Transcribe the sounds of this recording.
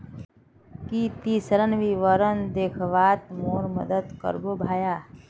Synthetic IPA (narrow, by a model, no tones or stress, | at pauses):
kit̪isələnʋiʋəɾənd̪eːkʰʋaːt̪moːɾmɐd̪əd̪kə̰ɾbobʱaːjaː